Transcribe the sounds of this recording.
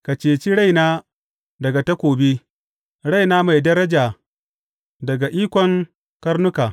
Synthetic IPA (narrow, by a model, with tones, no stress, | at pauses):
ka˨t͡ʃeː˨t͡ʃi˦ɽa˦jnaː˦ | dɐ˨ɡa˨ta˦kʷoː˨beː˦ | ɽa˦jnaː˦ma˨jdɐ˦ɾɐ˦d͡ʒaː˨ | dɐ˨ɡa˨ʔiː˦kʷɔ˨ŋ | kɐ˦ɾnʊ˦kaː˨